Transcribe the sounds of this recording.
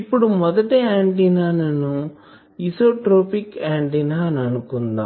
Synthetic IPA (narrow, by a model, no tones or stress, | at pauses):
ɪpːɔɽɯmɔðɐʈːɐaːɳʈinaːnɐnːũ | isoːʈɾoːpikeːɳʈinaːnɐnɯkːɯnd̪ã̰ː